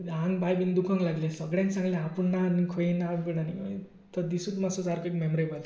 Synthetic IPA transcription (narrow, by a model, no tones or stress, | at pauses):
ɦaŋbajbind̪ukʰʌŋlaɡlesʌɡɽjãŋsaŋɡleɦapunanikʰojinabiɽani | t̪ʌd̪isut̪masod͡zaɾkoekmemɔɾebʌl